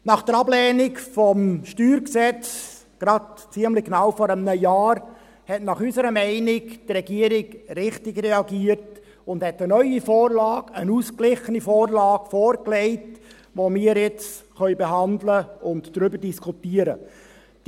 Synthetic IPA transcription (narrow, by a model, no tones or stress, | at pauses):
nɑχd̥əɾɑblɛːnɪkfɔmʃtyːɾksɛt͡s | ɡ̥ɾɑdt͡siəmlɪɡnɑʊfɔɾəmnəjɑːɾ | hɛtnɑχysəɾəmɛɪnɪkdrɛɡiəɾɪɡrɪχtɪɡɾɛɑɡiːəɾt | ʊnd̥hɛtənœʏifɔːɾlɑːɡənuːsklɪχənifoːɾlɑːɡfoːɾklɛɪt | ʋomɪːɾjɪt͡sχœɥbeɦɑndləʊntd̥ɾʏbəɾdiskʰutiːəɾə̰ | d̥